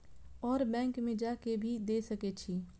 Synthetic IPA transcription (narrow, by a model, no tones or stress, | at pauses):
ɔːɾbɛ̃ːŋkmẽd͡ʒaːkebʱid̪eːsəket͡ʃʰiː